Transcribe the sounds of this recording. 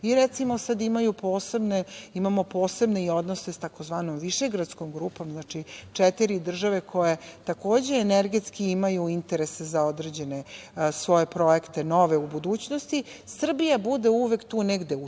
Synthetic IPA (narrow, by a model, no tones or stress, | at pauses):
iɾet̪simosad̪imajupoːsebneimamo̞po̞ːse̞bneio̞d̪nosest̪ako̞zʋaːnomʋiʃe̞ɡɾat̪skomɡɾuːpo̞mznat͡ʃit͡ʂɛt̪iɾid̪r̩ʒaʋe̞kʰo̞jet̪ako̞ːd͡ʑe̞ːneɾɡet̪skiimajuint̪eɾe̞sezaod̪ɾe̞d͡ʑe̞nesʋo̞je̞pɾo̞je̞kt̪e̞noʋe̞ubud̪uːt͡ɕnost̪isr̩bijabud̪e̞uʋekt̪uːnɛɡd̪e̞u